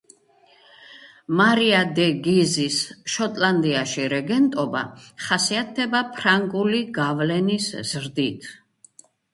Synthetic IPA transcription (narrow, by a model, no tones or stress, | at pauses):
maɾiad̪ɛɡizisʃɔt̪ʼland̪iaʃiɾɛɡɛnt̪ʼɔba̰χasiat̪̚ʰdɛbapʰɾaŋɡʼuliɡavlɛnisz̥ɾd̪it̪ʰ